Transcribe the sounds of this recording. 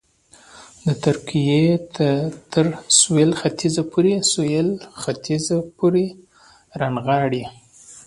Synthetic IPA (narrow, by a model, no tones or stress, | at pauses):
d̪ət̪ʊɾkijet̪ət̪ʰəɾswelxat̪ʰizapʰoɾesujelxat̪ʰizapʰoɾe | ɾanɣɑɽi